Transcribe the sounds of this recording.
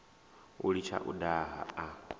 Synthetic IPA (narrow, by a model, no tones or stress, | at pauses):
ulit͡ʃʰa̰ʔudaɦa̰a